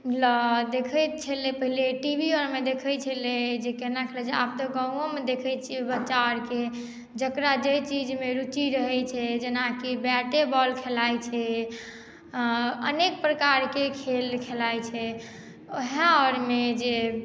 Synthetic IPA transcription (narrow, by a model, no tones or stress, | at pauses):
lɔd̪ekʰət͡ʃʰɛlepəɦileʈibiɔɾmed̪ekʰət͡ʃʰɛled͡ʒekenakʰelɛt͡ʃʰɛa̰b̚t̪ɔɡãũomed̪ekʰət͡ʃʰiɛbət͡ʃːaɾke | d͡ʒəkɾad͡ʒəjt͡ʃid͡ʒmeɾut͡ʃiɾəɦɛt͡ʃʰɛd͡ʒenakibɛʈebɔlkʰelajt͡ʃʰɛ | ə̰nek̚pɾəkaɾkekʰelkʰelajt͡ʃʰɛ | oɦãɔɾmed͡ʒe